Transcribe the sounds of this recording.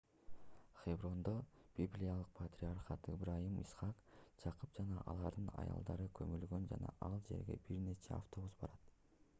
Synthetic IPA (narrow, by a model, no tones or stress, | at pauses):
χebrond̪ob̥ʲiblʲijalˠɯq̚pʰat̪ʲrʲiarχɑt̪ibɾɑjimḭsχɑqd͡ʒʰɑqɯp̚d͡ʒɑnɑʔɑlˠɑɾd̪ɯnɑ̰jɑ̰lˠd̪ɑɾɯkʰɵmylɡø̞nd͡ʒɑnɑ̰ʔɑlˠd͡ʒe̞̰ɾɡe̞̰biɾne̞t͡ʃʰe̞̰a̰ft̪o̞busbɑɾɑt̪